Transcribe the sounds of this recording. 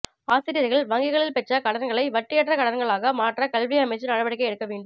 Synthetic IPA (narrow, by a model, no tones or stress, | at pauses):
aːsɪɾɪjɐðɪɣɐɭʋɐŋɡɪɣɐɭɪlpɛt͡ʃːɐkɐɽɐɾɡɐɭɐɪʋɐʈːɪjɛʈrɐkɐɽɐɾɡɐɭaːɣɐmaːʈrɐkɐlʋɪɐmɐɪt͡ʃːɯnɐɻɐʋɐɽɪkːɐɪɛɽɯkːɐʋeːɳɖɯm